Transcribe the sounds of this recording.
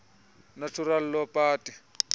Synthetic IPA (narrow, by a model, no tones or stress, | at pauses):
natʰuɾal̩lɔpʼaːtʼi